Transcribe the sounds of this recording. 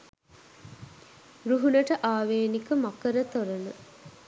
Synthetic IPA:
ruɦunəʈəʔaːʋeːnikəmakəɾət̪oɾənə

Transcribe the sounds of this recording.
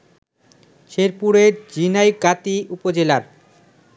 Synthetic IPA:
ʃeɾpuɾeɾd͡ʑinajɡat̪iupod͡ʑelaɾ

